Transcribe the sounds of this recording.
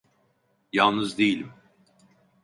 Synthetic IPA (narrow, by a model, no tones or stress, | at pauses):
jalˠnɯzd̪ejilʲim